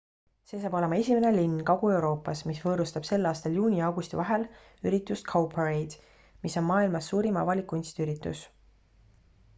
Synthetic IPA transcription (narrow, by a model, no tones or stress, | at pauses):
se̞ːs̬ɑːbo̞le̞mɑe̞sʲime̞nelinːkɑɡ̥ue̞wɾo̞ːpːˑɑsmisvɤːɾust̪ɑb̥se̞lːɑːst̪ɑljuːnʲiɑwɡ̥ust̪ivɑɦe̞l | yɾit̪ːˑust̪kʰowpʰeɾejd̪̥ | miso̞nmɑːilmɑsːuːɾimɑ̰vɑlikːˑuinst̪yɾit̪ːˑṵs